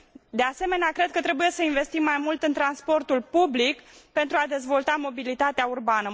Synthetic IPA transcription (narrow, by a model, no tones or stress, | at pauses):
d̪ease̞me̞neakɾe̞d̪̚kət̪ɾe̞buje̞səinve̞st̪imːajmult̪ɨnt̪ɾanspo̞rt̪ulpublikpe̞nt̪ɾuad̪e̞zvo̞lt̪amo̞bilit̪at̪eaurbanə